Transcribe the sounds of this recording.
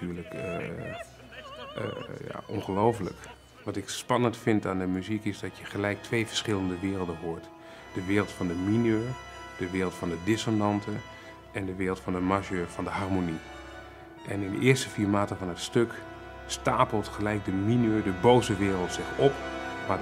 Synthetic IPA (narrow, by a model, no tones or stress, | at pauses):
yːɹlək | ja̰ʔɔ̰nχəlowflə̰k | ʋɑtɪkspɑnəntfɪntaːndəmyzikɪzdɑtjəχəlɛjk̚tʰʋejvəɹsχɪləndəʋɪːrəlˠdənɦoːɹt | d̥əʋɪːrəlˠtfɑndəminøːɹ | d̥əʋɪːrlˠtfɑndədɪsonɑntʰə | ʔɛndəʋɪːrlˠtfɑndəmaʒøːɹv̥ɑndəɦarmoni | ʔɛnɪ̃ndə̰ʔɪːɹstəfiːɹmaːtəvɔnətstøk | staːpəlˠtχəlɛjk̚dəminøːɹdəbowzəʋɪːrəlˠtsɪχɔpma